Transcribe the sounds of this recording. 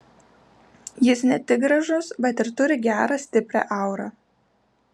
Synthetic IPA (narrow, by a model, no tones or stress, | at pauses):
jɪsnʲɛt̪ʲɪɡ̚ɡɾɐʒʊsbʲɛt̪ɪɾt̪ʊɾʲɪɡʲæːɾɑsʲt̪ʲɪpʲɾʲæ̰ːʔɑˑʊɾɑː